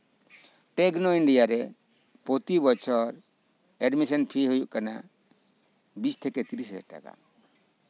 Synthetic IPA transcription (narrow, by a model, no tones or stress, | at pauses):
ʈɛɡnɔiɳɖijaɾɛ | pot̪ibɔt͡ʃʰɔɾ | ɛɖmisɔnpʰiɦujuʔkana̰ | bist̪ʰɛkɛt̪iɾisɛ̰ʈa̰ka̰